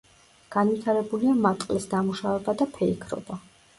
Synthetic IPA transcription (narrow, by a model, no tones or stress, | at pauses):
ɡ̥anvit̪ʰaɾɛbuliamat̪ʼlɛsd̪amuʃavɛbad̪apʰɛikʰɾɔ̰ba